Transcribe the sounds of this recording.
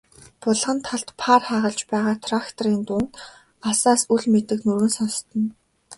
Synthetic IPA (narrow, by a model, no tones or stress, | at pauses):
pʊɮʁə̆nt̪ʰːaɮt̪pʰarχaːʁə̆ɮt͡ɕpæːʁaːt̪ʰrakt̪ʰɔriːnt̪ʊnt̪ | asaːsuɮmet̪ɘ̆knuɾwɘ̆nsɔnst̪ə̆n